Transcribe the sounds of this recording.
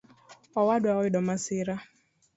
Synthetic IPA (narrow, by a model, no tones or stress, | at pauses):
ɔwadʊaɔɪdɔmasɪɾa